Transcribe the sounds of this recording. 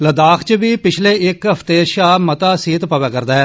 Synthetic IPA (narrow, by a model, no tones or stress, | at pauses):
ləd̪aːkʰt͡ʃəʋiːpɪt͡ʃʰleːɪkɦəpʰt̪eːʃaːmət̪aːsiːt̪pəʋaːkəɾd̪aːɦɛː